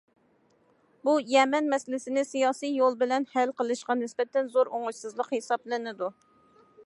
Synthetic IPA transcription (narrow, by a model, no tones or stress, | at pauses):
bujɛmɛnmɛsɪlɪsɪnɪsijɑːsijjolˠbɪlɛnhælqəlˠɨʃqɑnɪsbɛt̪ʰɛnzoɾoŋʊʃsɨzlˠəqhesɑblˠɨnɪd̪u